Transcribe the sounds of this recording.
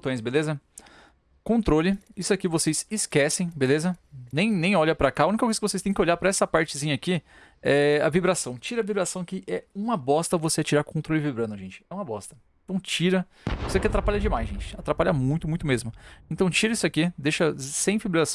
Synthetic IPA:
t̪õj̃s̬belezɐ | kõnt̪ɾolɪisʊakivosesɪskɛsẽj̃belezɐnẽj̃nẽj̃ɔʎɐpɾakaaũnikɐkojzɐkɪvosest̪ẽj̃kɪoʎaɾpɾɐɛsɐpaɾt͡ʃɪzĩɲɐaki | ɛɐ̰vibɾasɐ̃w̃t͡ʃiɾɐvibɾasɐ̃w̃akɪʔɛũmɐbɔst̪ɐvoset͡ʃiɾaɾkõnt̪ɾolɪvibɾɐ̃nʊʒẽnt͡ʃɪ̥ɛũmɐbɔ̰st̪ɐẽẽnt̪ɐ̃w̃t͡ʃiɾɐ | voseakɛat̪ɾapaʎɐd͡ʒɪmajzʒẽnt͡ʃɪat̪ɾapaʎɐmũj̃t̪ʊmũj̃t̪ʊmezmʊẽnt̪ɐ̃w̃t͡ʃiɾɐisʊakid̪eʃɐsẽj̃vibɾas

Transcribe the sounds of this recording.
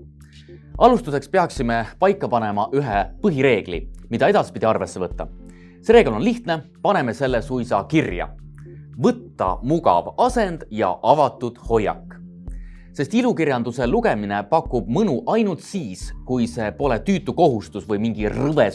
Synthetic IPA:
ɑlust̪use̞kspe̞ɑksime̞pɑjkːɑpɑne̞mɑʔyɦepɤɦiɾe̞ːɡ̥lḭmid̪̥ɑe̞d̪̥ɑspid̪̥ʲiɑrve̞sːe̞vɤt̪ːɑ̰ | se̞ɾe̞ːɡlo̞nliht̪ne̞ | pɑne̞me̞se̞lːe̞sujsɑkirjɑ̰vɤt̪ːɑ̰muɡɑ̰vɑse̞nd̪̥jɑ̰ʔɑvɑt̪ːˑud̪̥ho̞jːɑ̰kːˑ | se̞st̪ilukirjɑnd̪̥use̞luɡ̥e̞mine̞pɑkːˑub̥̚mɯnuʔɑjnult̪siːskujse̞ːpo̞le̞t̪yːt̪ːˑuko̞ɦust̪usvɤjmiŋɡ̥irɤve̞

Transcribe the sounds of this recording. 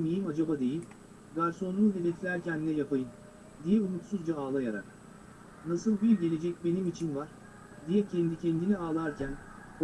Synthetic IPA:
mijimad͡ʒabad̪e̞jilʲ | ɡaɾso̞nlˠuːd̪evet̪ʰlʲæɾcʰænːɛjapʰajɯn | d̪ijɛumut̪suzd͡ʒaaːlˠajaɾa̰ɾ | nasɯlˠbiɾɟe̞lʲe̞d͡ʒɛc̚be̞nimit͡ʃʰinvaɾ̥ | d̪ijɛcʰɛnd̪icʰɛnd̪iniaːlˠaɾcʰæn | o

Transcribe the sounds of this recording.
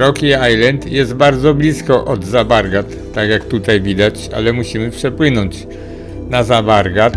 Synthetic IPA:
ɾɔkiajlɛnt̪jɛst̪baɾd̪zɔblʲiskɔʔɔd̪zabaɾɡat̪ːaɡjakt̪ut̪ajvʲid̪at͡ɕa̰lɛmuɕimɘpʂɛpwɘnɔɲt͡ɕ | nazabaɾɡat̪

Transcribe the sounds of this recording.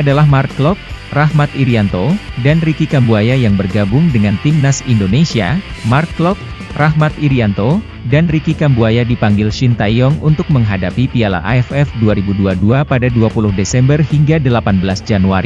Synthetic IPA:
adalahmart̪̚klɔp̚rahmat̪iɾiant̪odanrikikambuajajaŋbərɡabʊŋdəŋant̪imnasindonesia̰mart̪̚klɔp̚ | rahmat̪iɾiant̪o | danrikikambuajadipaŋɡɪlʃint̪ajɔŋunt̪ʊk̚məŋɦadapipiala̰ʔa̰ɛfɛfduaɾibuduaduapadaduapulʊhdesɛmbərhiŋɡadəlapanbəlasd͡ʒanuaɾi

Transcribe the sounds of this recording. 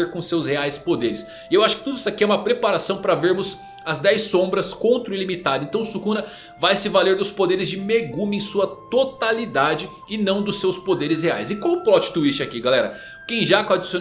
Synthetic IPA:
eɾkõʊsewsheajspod̪eɾɪs | ɪewaʃʊ̥kɪ̥t̪ud̪isʊakiɛumɐpɾepaɾasɐ̃w̃pɾɐveɾmʊs | ɐzd̪ɛjsõbɾɐskõnt̪ɾʊɪlimit̪ad̪ʊẽnt̪ɐ̃w̃sukũnɐ | vajsɪvaleɾd̪ʊspod̪eɾɪzd͡ʒɪmeɡũmɪẽj̃suɐt̪ot̪alid̪ad͡ʒɪ | ɪnɐ̃w̃d̪ʊsːewspod̪eɾɪs̬hea̰jsɪkõmʊplɔt͡ʃɪ̥t̪uist͡ʃɪakiɡalɛɾɐ | kẽj̃ʒakad͡ʒisio

